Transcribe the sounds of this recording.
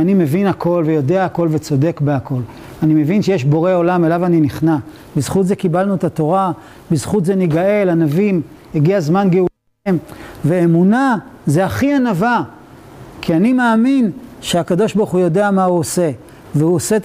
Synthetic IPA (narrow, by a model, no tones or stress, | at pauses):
anime̞vinakʰo̞lvejo̞deaːko̞lvet͡so̞de̞kbeako̞l | anime̞vinʃejeʃbo̞ʁe̞o̞lame̞lavaniniχna | bizχutze̞kibalnuet̪at̪o̞ʁa | bizχut̪zeniɡae̞lanavim | eɡiazmanɡeu | mveemunazeaχianava | kʰianimeːminʃeakado̞ʃbaʁuχujo̞de̞amauose̞ | veuoset